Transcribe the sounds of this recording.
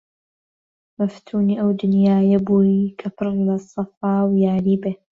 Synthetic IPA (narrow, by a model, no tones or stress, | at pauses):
mɐft̪ʰuːniːʔɐwd̪ʊnjaːjɐbuːjkʰɐpʰɨɾlɐsˤɐfaːwjaːɾiːbeː